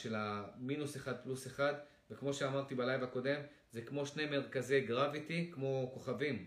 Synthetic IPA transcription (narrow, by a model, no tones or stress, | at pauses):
ʃe̞laminuseχad̪̚pluseχad̪ | vekmo̞ʃeamaʁt̪ibalajvako̞d̪e̞m | zekmo̞ʃnejme̞ʁkazeɡʁavit̪ikmo̞ko̞χavim